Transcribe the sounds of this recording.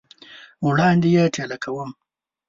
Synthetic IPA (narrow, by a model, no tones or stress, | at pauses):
wɽɑːnd̪ijeʈelakawəm